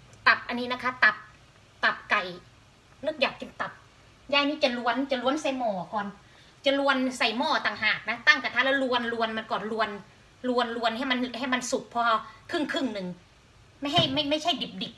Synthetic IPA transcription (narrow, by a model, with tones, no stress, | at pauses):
t̪a˨˩p̚ʔa˧nːiː˦˥na˦˥kʰa˦˥˩t̪a˨˩p̚ | t̪a˨˩p̚ka˨˩j | nɯ˥˩k̚jaː˨˩k̚ki˧˩mt̪a˨˩p̚ | jaː˧˥˨niː˦˥t͡ɕa˨˩lu˧˥ənt͡ɕa˨˩lu˧ə˨nsa˧˩jmɔː˨˩kɔː˧˩n | t͡ɕa˨˩lu˧ənsa˧˩jmɔː˧˩t̪aː˨˩ŋɦaː˨˩k̚na˦˥t̪a˥˩ŋt̪ɛ˨˩t̪ʰa˧˩lɛ˧˥˩wlu˧ənlu˧ənma˧nkɔː˨˩nlu˧ən | lu˧ənlu˧ənha˥˩jma˧n˧˩ɦha˥˩jma˧nsu˨˩k̚pʰɔ˧a˧kʰɯ˥˩ŋkʰɯ˥˩ŋnɯ˨˩ŋ | ma˥˩jɦa˥˩jma˥˩jma˥˩jt͡ɕʰa˥˩jdi˨˩p̚di˨˩p̚